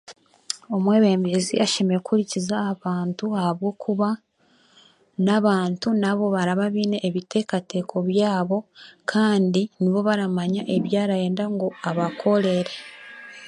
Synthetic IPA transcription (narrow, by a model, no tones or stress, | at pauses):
o̞mwe̞βe̞ːmbezḭʔaʃe̞meɾekuɾicizaːβaːntuahaβɡo̞ːkuβa | naβaːntunaβo̞βaɾaβaβiːne̞ʔːβite̞kate̞kʰo̞βjaːβo̞kʰaːndiniβo̞βaɾamaɲaʔe̞βjaːɾaje̞ːndaŋɡo̞aβakʰo̞le̞ɾe̞